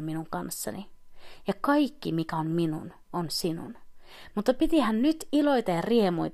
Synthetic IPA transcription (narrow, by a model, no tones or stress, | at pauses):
minuŋkɑnsːɑ̰nijɑkɑikːimikæomminṵn | onsinṵn | mut̪ːɑpit̪ihænnyt̪ilojt̪ɑjɑriemujt̪